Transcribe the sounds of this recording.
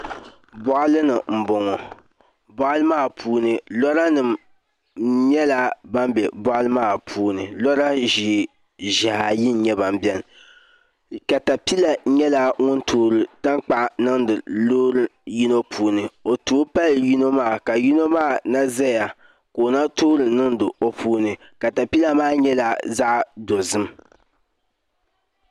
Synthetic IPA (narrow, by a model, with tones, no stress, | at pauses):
bɔ˦ʔa˦lɨ˦nɨ˨m̩˨bɔ˨ŋɔ˨ | bɔ˦ʔa˦lɨ˦maː˦˨pʰuː˦nɨ˨lɔ˦ɾa˦nɨ˨m | ɲɛ˦la˦ba˦m˦bɛ˨bɔ˦ʔlɨ˦maː˦˨pʰuː˦nɨ˨lɔ˦ɾa˦ʒi˨ | ʒa˨ha˨ji˦n˦ɲɛ˦ba˨m˦bjɛ˦˨n˨ | ka˨ta˨pi˦la˨ɲɛ˦la˦ŋʊ˦ntʰuː˦ɾɨ˨ta˦ŋk͡pa˨ʔnɨ˦n˦dɨ˨loː˦ɾɨ˨ji˦no˦pʰuː˦nɨ˨o˨tu˦pa˦lji˦no˦maː˦˨ka˨ji˦no˦maː˦˨na˦zɛ˦˨ja˨ | ko˨na˦tu˦ɾɨ˨nɨ˦n˦dɨ˨o˨pʰuː˦nɨ˨ | ka˨ta˨pi˦la˦maː˦˨ɲɛ˦la˦za˦ʔdo˨zɨ˦m